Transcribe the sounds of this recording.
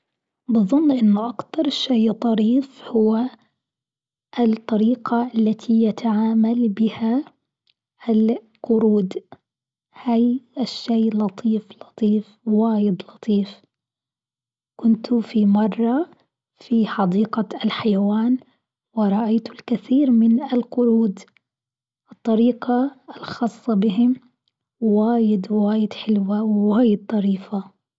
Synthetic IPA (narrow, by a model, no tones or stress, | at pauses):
bɨðˤʊnːʔɪnːʊʔakt̪ɑɾˤʃejt̪ˤɑɾiːfhʊwːa | ʔɪt̪ˤːɑɾiːqaʔalːat̪ʰijat̪ʰaʕaːmalbɪha | ɪl | qʊɾuːd̪ | hajɪʃːeːlɑt̪ʰˤiːflɑt̪ˤiːf | waːjɪd̪lɑt̪ˤiːf | kʊnt̪ʰʊfimɑrˤːɑ | fiħɑd̪iːqaɪlħajawaːn | wɪɾˤɑʔajt̪ʊlkaθiːɾmɪnɪlqʊɾuːd̪ | ʔɨt̪ˤːɑɾiːqɑɪlxɑːsˤːɑbɪɦɪm | waːjɪd̪waːjɪd̪ħɪlwawɪwaːjɪd̪̚t̪ˤɑɾiːfa